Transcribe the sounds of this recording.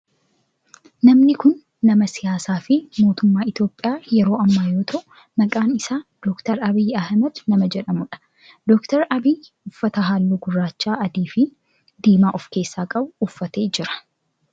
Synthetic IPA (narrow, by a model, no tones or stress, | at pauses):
nɐmnɪkʊnː | ɐmɐsɪjaːsaːfɪmo̞ːt̪ʊmːaːɪt̪jo̞ːpʼːɪjaːjɛɾo̞ːɐmːaːjo̞ːt̪ʰɐʔʊ | mɐkʼaːnɪsaːd̪̥ɔːkt̪ɐɾɐbɪjːɐhmɐd̪nɐmɐd͡ʒɛᶑɐmʊᶑɐ̥ | d̪ɔːkt̪ɐɾɐbij | ʊfːɐt̪ɐɦaːlːuːɡʊraːt͡ʃːaːʔɐd̪iːfɪ | d̪iːmaːʔɔfke̞ːsːaːkʼɐbʊːfːɐt̪e̞ːd͡ʒɪɾɐ̥